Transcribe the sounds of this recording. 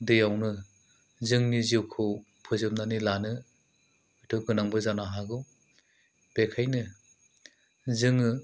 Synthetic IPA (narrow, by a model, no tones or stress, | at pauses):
dɯjawnɯ | zɯŋniziwkʰɯw | pʰɯzɯm̚nanilanɯ | ɯtʰɯɡɯnaŋbɯzanaɦaɡɯw | b̥ekʰajnɯ | zɯŋɯ